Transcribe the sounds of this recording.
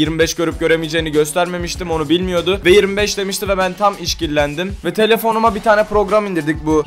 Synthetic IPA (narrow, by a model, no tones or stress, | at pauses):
jiɾmibɛʃɟø̞ɾyp̚ɟø̞ɾe̞mijd͡ʒeːiniɟø̞st̪ʰæɾme̞miʃt̪imo̞nubilʲmijo̞d̪ʊvɛjiɾmibɛʃd̪e̞miʃt̪ivɛbænt̪ʰamiʃcillʲænd̪imvɛt̪ʰe̞lʲe̞fo̞numabit̪ʰaːnɛpɾo̞ɡɾamind̪iɾd̪icbu